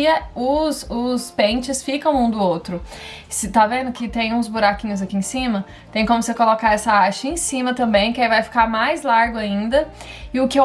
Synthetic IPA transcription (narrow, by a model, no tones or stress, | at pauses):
ɐʊsʊspẽt͡ʃɪsfikɐ̃w̃ũd̪ʊowt̪ɾʊ | sɪt̪avẽnd̪ʊkɪt̪ẽj̃ũzbuɾakĩɲʊzakiẽsĩmɐ | t̪ẽj̃kõmʊsekolokaɛsɐaʃɐẽsĩmɐt̪ɐ̃mbẽj̃kɪaivajfi̥kaɾmajzlaɾɡʊaĩnd̪ɐ | ɪʊkɪe